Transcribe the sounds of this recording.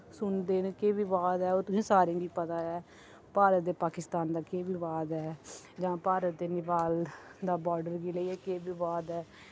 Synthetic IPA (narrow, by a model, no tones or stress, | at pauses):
sʊnd̪eːnkeːʋiːʋaːd̪ɛːoːt̪ʊsĩːsaːɾĩːɡiːpət̪aːɛː | paːɾət̪̚d̪eːpaːkɪst̪aːnd̪aːkeːʋiːʋaːd̪ɛː | d͡ʒãːpaːɾət̪̚d̪eːnɪpaːld̪aːbɔːɾɖəɾɡiːləiːɛːkeːbiːʋaːd̪ɛː